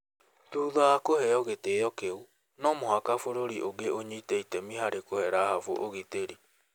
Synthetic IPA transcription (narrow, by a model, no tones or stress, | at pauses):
t̪uðaakoɦɛɔɣet̪eɔkeu | nɔmoɦakafoɾoɾiʔoɡeʔoɲit̪eit̪emiɦaɾekoheɾaɦafoʔoɣit̪eɾi